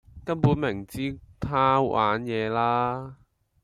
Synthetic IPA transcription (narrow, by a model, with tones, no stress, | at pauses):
kɐ˥npuː˨˥nmɪ˨˩ŋt͡siː˥t̪ʰaː˥wwʔa̰ː˨˥njɛː˨˧laː˥